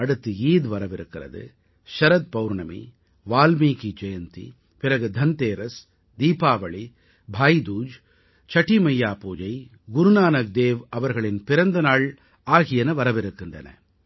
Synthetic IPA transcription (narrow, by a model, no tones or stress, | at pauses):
ɐɽɯt̪ːɯiːðʋɐɾɐʋɪɾɯkːɪrɐ̰ðɯ̰ | ʃɐɾɐd̪̚pɐʋʊɾɳɐmḭ | ʋaːlmiːkit͡ʃɛjɐnt̪ḭ | pɪɾɐɣɯd̪ʱɐnt̪eːɾɐs | d̪iːpaːʋɐɭi | bʱaːjd̪uːd͡ʒ | t͡ʃɐʈːimɐjːaːpuːd͡ʒɐɪ | ɡʊɾʊnaːnɐk̚d̪eːʋɐʋɐɾɣɐɭɪnpɪɾɐnd̪ɐnaːɭ | aːɣɪjɐnɐʋɐɾɐʋɪɾɯkːɪndrɐ̰nɐ̰